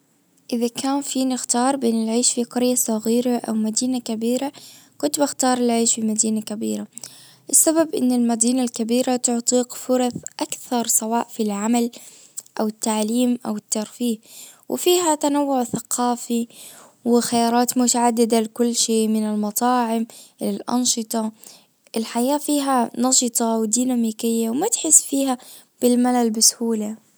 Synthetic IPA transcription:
ʔɪðakaːnfiːnɪxt̪ɑːɾˤbeːnɪlʕeːʃfiqɑɾjasˤɑɣiːɾaʔa̰wmad̪iːnakabiːɾakʊnt̪baxt̪ɑːɾˤɪlʕiːʃfimad̪iːnakabḭːɾa | ʔɪsːababʔɪ̰nːɪlmad̪iːnalkabiːɾat̪ʊʕt̪ˤiːqfʊɾˤɑθʔakθɑɾˤsˤɑwɑːʔfilʕamal | ʔawɪt̪ːaʕliːmʔawɪt̪ːɑɾˤfiːhwʔɪ̰fiːɦat̪anawːʊʕθaqʰɑːfi | wɪxajɑːɾˤɑːt̪mʊt̪aʕad̪ːɪd̪alɪkʊlːʃeːmɪnɪlmɑt̪ˤɑːʕɪmlɪlʔɑ̰nʃɨt̪ˤɑ | ʔɪlħajaːfiːɦanɑʃɨt̪ˤɑwd̪iːnamiːkɪjːawmat̪ħɪsːfiːha | b̥ɪlmalalbɪshuːla

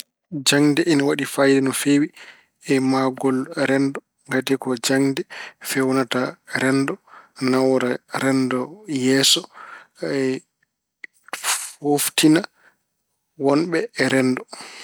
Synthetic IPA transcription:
d͡ʒaŋdɛʔɛnawaɗifajdɛnɔfewi | ɛmaɡɔlɾɛndɔ | ŋɡatɛkɔd͡ʒaŋdɛfɛwnataɾɛndɔnawɔɾaɾɛndɔjɛsɔ | ɛ | hoftʰina | wɔnɓɛːɾɛndɔ

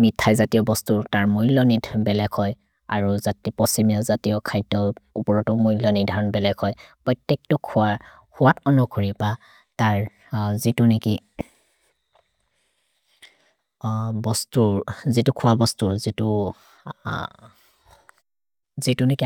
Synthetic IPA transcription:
mitʰːajzatijɔbɔstutaɹmoilɔnidʱbɛlɛɡhɔj | a̰ɹuzatipɔsimiɔzatiɔkʰajdɔupɔɹɔtɔmoilɔnidʱaɹɔnbɛlɛɡhɔjpɹɔjtːɛk̚tɔkʰʊwa | hʊwatɔnɔkʰoɹipa | taɹ | zituneki | bɔstuzitukʰʊwabɔstuɹzitʊ | zituneki

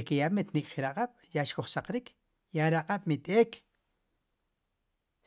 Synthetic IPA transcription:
kejamet̪nikʼχiɾaqʼaɓ̥jaʔʃkoχsaqɾikʰ | jaɾaqʼaɓ̥mit̪ʼeːkʰ

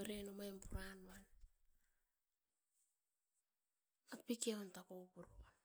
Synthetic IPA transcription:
eɾenomaempuɾanuan | at̚pikiaontakopuɾua

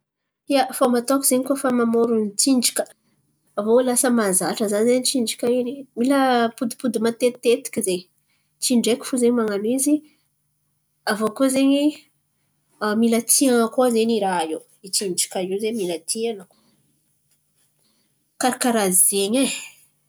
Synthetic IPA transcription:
iafomat̪okizeɲikofamamoɾunit͡siɳɖ͡ʐi̥kʲə | avolasəmazaʈ͡ʂəzanzeɲit͡ʃiɳɖ͡ʐikʲainimiləpud̪ipud̪imat̪et̪ːet̪i̥kʲize | t͡ʃiɳɖ͡ʐekʲi̥fuzeɲmaŋanizi | avokozeɲi | amilət̪ʰiaŋəkozeniɾaiw | it͡ʃiɳɖ͡ʐi̥kʲaizemilat̪ʰianək | kaɾakaɾazizeɲe

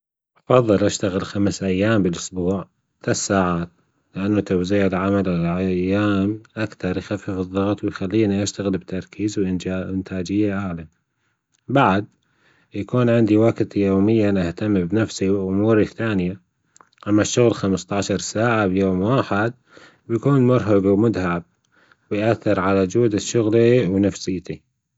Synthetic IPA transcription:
ʔɑfɑðˤːɨlʔaʃt̪aɣɪlxamsʔajːaːmbɪlʔʊsbuːʕ | lasːaːʕaːt̪ | lɪʔanːut̪awziːʕɪlʕamalɪlʕajːaːmʔakθɑɾˤjxafːɪfɨðˤːɑɣt̪ˤwɪjxalːiːniʔaʃt̪aɣɪlbt̪ɑɾˤkʰiːzwʔɪɪnt̪ʰaːd͡ʒɪjːaʔaʕla | baʕd̪̚ | jakuːnʕɪnd̪iwakt̪joːmɪjːanʔaht̪amːbnafsiwɪʔʊmuːɾiθaːnɪja | ʔamːaʃːʊɣlxamst̪ˤɑʕʃɑɾˤsaːʕabjoːmwaːħɪd̪̚ | bjakuːnmʊɾɦaɡwmʊd̪haʕab̚ | wɪjʔaθːɪɾʕalad͡ʒuːd̪ɪʃːʊɣliwnafsɪːt̪i

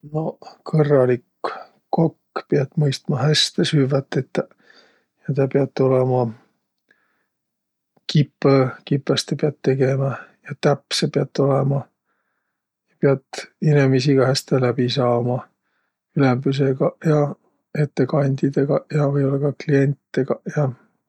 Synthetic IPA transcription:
no̞kʰɤrːɑlikː | kːokːpiɑt̪ːˑmɤjst̪mɑɦæst̪esyːvɑt̪ːˑet̪ː | jɑt̪ɑpeɑt̪ːˑo̞lemɑ | kipːøkipːˑɑst̪epeɑt̪ːe̞ɡemɑjɑt̪æpːsepeɑt̪ːˑo̞lemɑ | jɑpeɑt̪ːinemisiɡ̥ɑhæst̪elæb̥isɑːmɑ | ylembys̬eɡɑjɑ | e̞t̪ːekɑnʲd̪id̪̥eɡ̥ɑjɑvɤjo̞lːɑɡ̥ɑklie̞nʲt̪it̪ːeɡɑjɑ

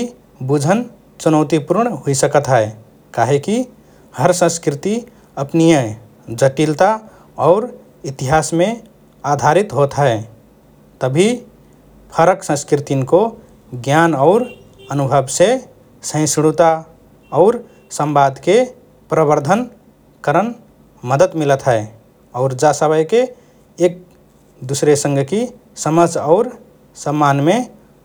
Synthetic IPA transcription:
bud͡ʒʱən | t͡ʃunəʊt̪ipuɾɳɦoisəkət̪ɦɛe | kaɦeki | həɾsə̃skɾɪt̪i | əpnijə | d͡ʒəʈilt̪a | ɔʊɾ | it̪iɦasmẽ | ad̪ʱaɾit̪ɦot̪ɦɛ | t̪əbʱi | pʰəɾəksə̃skɾit̪inko | ɡjanɔʊɾ | ənubʱəbse | sə̃sɽ̃ut̪a | ɔʊɾ | səmbad̪ʱke | pɾəbəɾd̪ʱən | kəɾən | məd̪ət̪milət̪ɦɛe | ɔʊɾd͡ʒasəbəjke | ek̚ | d̪usɾesə̃ŋɡki | səməd͡ʒʱɔʊɾ | səmːanme

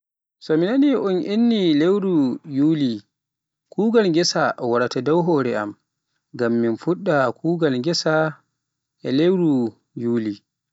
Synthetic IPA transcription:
sɔminaniʔunʔinːilewɾujuːli | kuːɡalŋɡɛsaʔɔwaɾatadɔwɦɔːɾɛa̰m | ɡamːinfuɗːakʰuːɡalɡɛsa | ɛlewɾu | juːli

